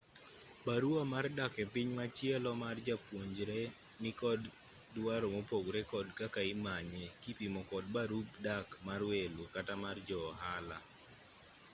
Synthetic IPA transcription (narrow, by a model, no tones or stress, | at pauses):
baɾuamardakepɪɲmat͡ʃjɛlɔmard͡ʒapwoɲd͡ʒɾe | nɪkɔd | dwaɾomopoɡɾekɔdkakaɪmaɲekipimɔkɔdbaɾubdakmarwelukatamard͡ʒɔɦala̰